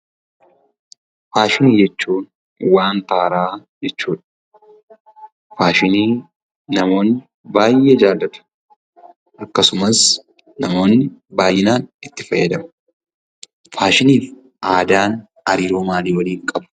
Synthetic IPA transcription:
faːʃɪniːd͡ʒɛt͡ʃːuːn | waːnt̪aːɾaːd͡ʒɛt͡ʃːuːᶑɐ̥ | faːʃɪniː | nɐmo̞ːnːɪ | baːjʔeːd͡ʒaːd̪ɐt̪ɐ̥ | ʔɐkːɐsʊmɐs | nɐmo̞ːnːɪbaːjːɪnaːnɪt̪ːɪfɐjːɐd̪ɐmɐ̥ | faːʃɪniːf | ʔaːd̪aːn | ɐɾiːɾoːmaːliːwɐliːŋkʼɐb

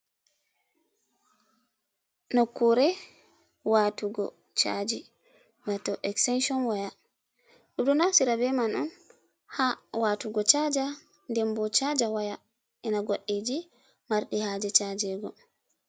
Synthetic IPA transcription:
nokːuɾɛ | waːtuɡɔ̰ | t͡ʃa̰d͡ʒi | watɔʔɛkstɛnʃɔnwaja | ɗuɗunasiɾabɛmanɔn | hawatuɡɔt͡ʃad͡ʒa | ndɛmbɔt͡ʃad͡ʒawaja | ʔɛnaɡoɗːid͡ʒi | maɾɗihaːd͡ʒɛt͡ʃad͡ʒɛɡɔ

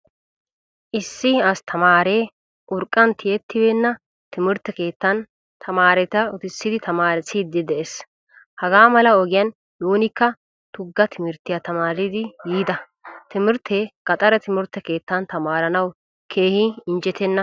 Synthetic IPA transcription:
ʔɪsːɪɐst̪ʰɐmaːɾeː | ʔʊɾkʼːɐnt̪ʰɪjɛt̪ʰːɪbɛnːɐ | t̪ɪmɪɾt̪ːɛke̞ːt̪ːɐn | t̪ʰɐmaːɾɛt̪ɐɔt̪ɪsːɪd̪ɪt̪ʰɐmaːɾɛsɪd̪ɪd̪ɛʔes | hɐɡaːmɐlɐɔɡɪjɐn | duːnɪkːɐ | t̪ʊɡːɐt̪ʰɪmɪɾt̪ɪjat̪ɐmaːɾɪd̪ɪɡiːd̪ɐ | t̪ɪmɪɾt̪ʰːeːkɐt̪ʼɐɾɐt̪ɪmɪɾt̪ːɛke̞ːt̪ːɐnt̪ɐmaːɾɐnɐw | kʰe̞ːhɪɪnd͡ʒɛt̪ɛnːɐ

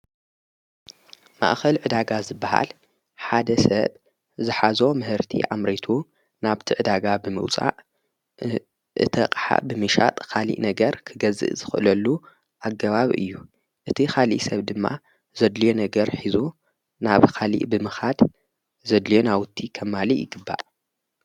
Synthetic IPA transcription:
ma̰ʔxɐlʕɨd̪aɡazɨbːaha̰l | ħad̪ɐsɐβ | zɨħazo̞mɨhɨɾt̪ʰḭʕa̰mɾit̪ʰu | naβt̪ʰiʕɨd̪aɡabɨmɨ̰wt͡sʼa̰ʔ | ʔɨ̰t̪ʰɐqʼħa̰bɨmɨʃa̰t̪ʼkʰalḭʔnɐɡɐɾkʰɨɡɐzɨ̰ʔzɨxʔɨlɐlːu | ʔaɡːɐβaβiʔɨ̰jːu | ʔɨt̪ʰixʰalḭʔsɐβd̪ɨmːa̰ | zɐd̪lijonɐɡɐɾħizu | naβkʰalḭʔbɨmɨxad̪ | zɐd̪lijonawʊt̪ʰːikʰɐmːalijɪ̰ɡɨbːa̰ʔ

